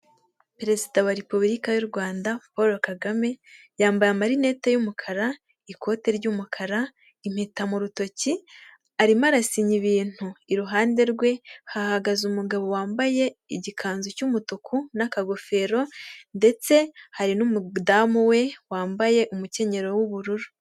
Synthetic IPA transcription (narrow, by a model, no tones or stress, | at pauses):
pɾe̞zidawaɾepuβɾikajuɾɡwaːndapoɾokaɡame̞ | jaːmbajamaɾine̞ːtejumukʰaɾa | ikʰo̞ːte̞ɾɟuːmukʰaɾa | im̥hetamuɾuto̞ci | aɾimaɾasiɲiβiːn̥huiɾuɦaːnde̞ɾɡwe̞hahaɡazumuɡaβo̞waːmbaje̞iɟikʰaːnzocumutukʰunakaɡo̞fe̞ːɾo̞nde̞t͡se̞haɾinumudaːmuwe̞waːmbaje̞ʔumuce̞ɲe̞ɾo̞wuβuɾuɾu̥